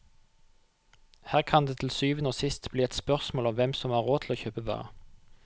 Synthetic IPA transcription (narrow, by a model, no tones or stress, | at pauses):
hæːʁkʰɑnd̪eːt̪ʰl̩syːʋənoːsɪst̪bliːɛt̪spœʁsmoːlɔmʋɛmsɔmɑːʁoːt̪ʰloːçøːpəʋɑ̰ːʁə̰